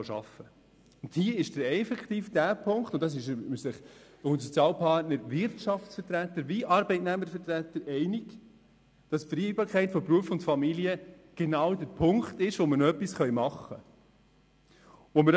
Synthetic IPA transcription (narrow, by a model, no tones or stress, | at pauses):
ʃɑ̰fə | ʊnthiəɪʃd̥əɾɛfɛkt̪iːfd̥æːpʰʊŋktʊntːɑs̬ɪʃsəχ | unisɔt͡sjɑːlpʰɑɾtnəɾvɪɾtʃɑftsfətɾætːəɾʋiʔɑɾbɛɪtnæməɾfəɾtɾætːəɾʔɛɪnɪɡ | d̥ɑsfɾibɑːɾkʰɛɪtfɔpɾuəfʊntfɑmiliə | ɡ̥enɑwdəɾpʰʊŋktɪʃʋɔmənœpːisχœɥmɑχːə | ʋɔməɾ